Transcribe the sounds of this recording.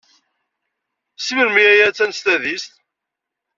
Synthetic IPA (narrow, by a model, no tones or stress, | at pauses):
siməɾmiæjæt͡sːænst̪æðist̪